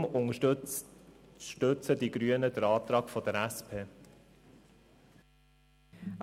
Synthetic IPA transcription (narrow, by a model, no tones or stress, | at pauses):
mʊŋ | ʃtɵt͡sədiɡɾyənədəɾɑːt̪ɾɑːkfɔd̥̪əɾæspʰeː